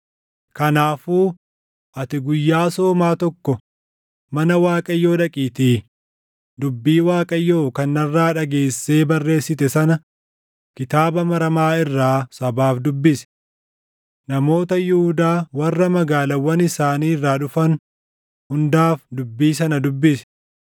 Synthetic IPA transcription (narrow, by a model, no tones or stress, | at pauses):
kɐnaːfuː | ʔɐt̪ɪɡʊjːaːso̞ːmaːt̪ɔkːɔ | mɐnɐwaːkʼɐjːo̞ːᶑɐkʼiːt̪iː | d̪ʊbːiːwaːkʼɐjːo̞ːkɐnːɐrːaːᶑɐɡe̞ːsːeːbɐrːe̞ːsːɪt̪ɛsɐnɐ | kɪt̪aːbɐmɐɾɐmaːɪrːaːsɐbaːfd̪ʊbːɪsɛ̥ | nɐmo̞ːt̪ɐjʊhʊd̪aːwɐrːɐmɐɡaːlɐwɐnɪsaːniːɪrːaːᶑʊfɐn | hʊnd̪aːfd̪ʊbːiːs̬ɐnɐd̪ʊbːɪsɛ̥